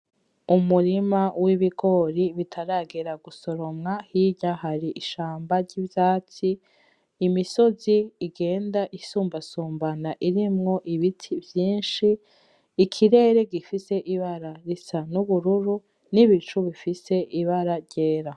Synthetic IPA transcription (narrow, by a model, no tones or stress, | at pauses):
umuɾimawiβiɡo̞ːɾiβitʰaɾaɡeɾaɡuso̞ɾo̞mŋahiɟahaɾiʔiʃaːmbaɾɟivjaːt͡siː | miso̞ziiɡe̞ːndaʔisuːmbasuːmbanaʔiɾimŋo̞ʔiβitʰivjiːnʃiː | kʰiɾe̞ːɾe̞ɡifise̞ʔiβaɾaɾisanuβuɾuɾu | niβit͡ʃuβifise̞ʔiβaɾaɾɟe̞ːɾa